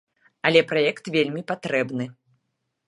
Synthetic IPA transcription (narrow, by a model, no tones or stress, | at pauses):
ɐlʲɛpɾajɛkt̪vʲelʲmʲipat̪ɾɛbnɨ